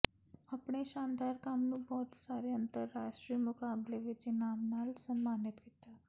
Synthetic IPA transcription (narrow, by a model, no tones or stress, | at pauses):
apɳ̃eɕand̪aɾkamnũːbɔːt̪saɾeənt̪əɾːaʂʈɾiːmukableʋet͡ɕenamnalsəmːanit̪ket̪a